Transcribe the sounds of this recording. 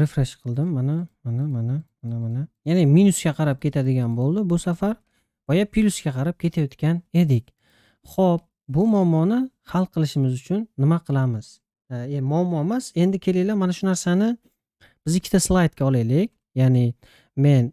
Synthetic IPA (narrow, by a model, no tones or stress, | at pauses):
ɾefɾeʃqʰɨlˠd̪ɪmːanamanamanamanamanajanɪminuskʲaqʰɑɾap̚kʲʰe̞t̪ʰad̪ɪɡʲanbolˠd̪ɪbʊsafaɾ | bɒjapʰiluskʲaqʰɑɾap̚kʲʰet̪ʰajɒt̪kʲane̞d̪ɪkʲ | χɔp̚ | bʊmɒmːɒnɪ | halˠqʰɨlˠɪʃɪmɪzʊt͡ʃʰʊnːɪmaqʰɨlˠamɪz̥ | mɒmːɒmaz̥e̞nd̪ɪkʲʰe̞lɪjlamanaʃʊnaɾsanɪ | b̥ɪzɪkʲʰːɪt̪ʰaslˠajt̪̚kʲʰaɒlˠelɪkʲ | janɪ | me̞n